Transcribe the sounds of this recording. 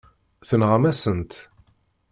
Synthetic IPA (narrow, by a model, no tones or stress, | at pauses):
θənʁamæsənt̪